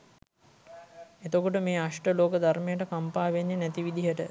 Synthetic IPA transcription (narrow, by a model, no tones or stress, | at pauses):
et̪okuʈəmeːaʂʈəloːkəd̪ʱarmejəʈəkampaːʋeɲːenɛt̪iʋid̪iɦəʈə